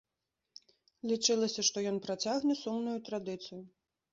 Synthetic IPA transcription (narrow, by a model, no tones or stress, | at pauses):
lʲit͡ʂɨlˠɐsʲɐʂt̪ɔjɔnpɾat͡sʲaɣnʲɛsumnujut̪ɾad̪ɨt̪sɨju